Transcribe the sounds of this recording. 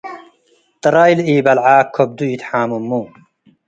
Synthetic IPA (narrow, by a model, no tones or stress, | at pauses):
t̪ɾajliːbɐlʕaːkʰːob̚d̪uit̪ħaːmumːu